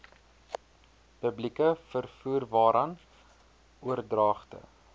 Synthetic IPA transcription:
pəblikəfərfuːrvɑːɾʔɐn | uərdrɑːχtə̰

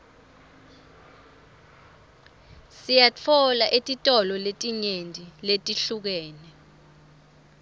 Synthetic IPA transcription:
sijat͡fʰɔlaʔetʼitʼɔlɔletʼiɲentʼiletʼiɬuk̬ɛːnɛ

